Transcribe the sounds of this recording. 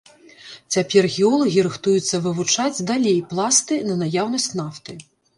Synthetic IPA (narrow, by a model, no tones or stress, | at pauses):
t͡sʲapʲɛrɣʲiɔlˠɐɣʲiɾɨxt̪ujut̪sːɐvɨvut͡ʂad͡zʲd̪alʲejplˠast̪ɨnɐnajawnɐsʲt͡sʲnaft̪ɨ